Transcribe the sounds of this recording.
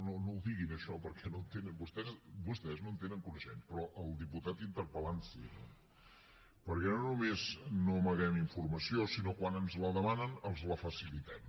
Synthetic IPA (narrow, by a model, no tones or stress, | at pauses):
nonowd̪iɣinəʃɔpəɾkʰɛnont̪enənbust̪ɛzbust̪ɛznoənt̪enəŋkunəʃɛ̰npɾɔʔəlˠd̪iput̪at̪int̪əɾpəlansḭno̰ | pəɾkɛnonumeznoməɣɛmiɱfurməsiosinokwanənzləðəmanənəlˠzləfəsilit̪ɛm